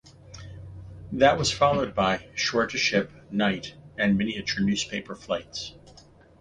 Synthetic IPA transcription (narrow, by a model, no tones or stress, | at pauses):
ðɨʔ̚wʌz̥fɑlˠoʊd̚baɪʃɔɹɾɨʃɪpnaɪɾɨ̃nmɪniɨt͡ʃə˞nʉz̥pʰeɪpə˞flaɪts